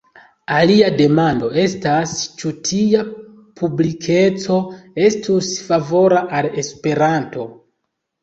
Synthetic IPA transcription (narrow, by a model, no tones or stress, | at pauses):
aliade̞mando̞e̞stast͡ʃutʰia | pʰublikʰe̞t͡so̞e̞stusfavo̞ɾaʔale̞spe̞ɾanto̞